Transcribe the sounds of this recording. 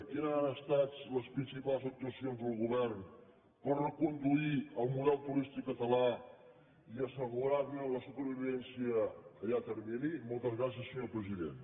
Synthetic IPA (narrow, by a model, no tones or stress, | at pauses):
kinanəst̪at͡sləspɾinsipalˠzək̚t̪uəsionzðəlˠɣuβɛrn | pərrəkund̪uiəlˠmuðɛlˠt̪uɾist̪ikːət̪əla | iəsəɣuɾaβmenləsupəɾβiβiɛnsiəkəjat̪əɾminimolˠt̪əzɣɾasjəsːəɲopɾəziðḛn